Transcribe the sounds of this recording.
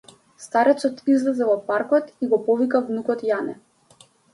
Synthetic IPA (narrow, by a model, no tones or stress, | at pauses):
st̪aɾɛt̪sɔt̪izlɛzɛvɔpaɾkɔt̪iɡɔpɔvikavnukɔt̪janɛ